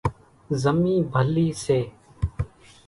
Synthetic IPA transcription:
zəmiːbʱəliːseː

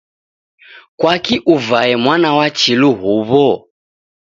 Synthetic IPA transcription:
kwakiʔuvaɛmwanawat͡ʃiluɦuβɔ

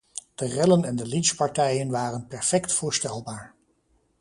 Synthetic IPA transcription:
d̥ərɪlənɛndəlitspɑɹtɛjənʋaːrənpɛɹfɛktfʊːɹstɛlˠbaːɹ

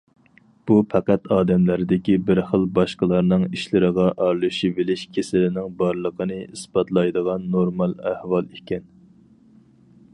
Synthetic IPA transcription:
b̥upʰæqæt̪ɑːd̪ɛmlæɾd̪ɪkʲibɪɾχəlˠbɑʃqəlˠɑɾnɨŋiʃlɪɾəʁɑʔɑɾlˠuʃibɪlɪʃkʲʰesɪlɪnɪŋbɑɾlˠəqʰənɨisbɑt̪lˠɑjd̪əʁɑnːoɾmɑlˠæhwɑlˠikʲʰɛn

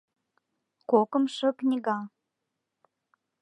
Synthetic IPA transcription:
kokəmʃə̆knʲiɣɑ

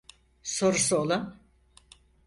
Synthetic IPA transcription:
so̞ɾusuolˠun

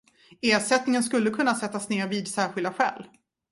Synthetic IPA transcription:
eːʂɛt̪nɪŋəns̬kɵlːəkʰɵnːasɛt̪ːasneːɾviːd̪sæːɾɧɪld̪aɧɛ̰ːl

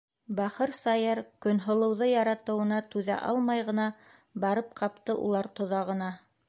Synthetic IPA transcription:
bɑχɤɾsɑjɤɾkɵ̆nɦŏlˠɤ̆wðɤjɑɾɑt̪ɤ̆wɤ̆nɑt̪ʉðæ̰ʔɑ̰lˠmɑjʁɤ̆nɑ | bɑɾɤp̚qʰɑpt̪ɤʔṵlˠɑɾt̪ŏðɑʁɤ̆nɑ

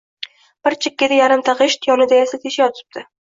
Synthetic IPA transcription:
b̥ɪɾt͡ʃʰɪkʲːɪd̪ajaɾɪmt̪ʰaʁɪʃt̪ʰjɒnɪd̪ajasat̪ʰeʃajɒt̪ʰɪ̥b̚d̪̥ɪ

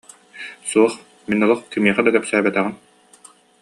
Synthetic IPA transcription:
suɔχ | minɔlˠɔχkimiɛχad̪ak̪ɛpsæːbɛt̪ɛʁin

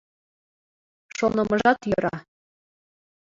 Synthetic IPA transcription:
ʃonɤ̆mɤʒɑt̪jɤɾɑ̰

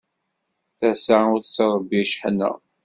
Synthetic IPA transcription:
θæsaʊɾθsəɾˤəbiʃħənːə̰

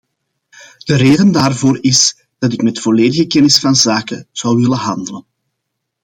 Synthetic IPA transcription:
d̥əɾeːdəndaːrvoːɾɪs | d̥ɑtɪkmɛtfoleːdəɣəkɛnɪsfɑnzaːkəz̥ɑwwɪləɦɑndələn

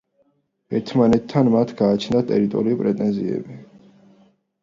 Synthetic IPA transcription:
ɛɾt̪ʰmanɛt̪ʰːanmat̪ʰɡ̥aːt͡ʃʰnd̪at̪ʼɛɾit̪ʼɔɾiipʼɾɛt̪ʼɛnziɛ̰bi

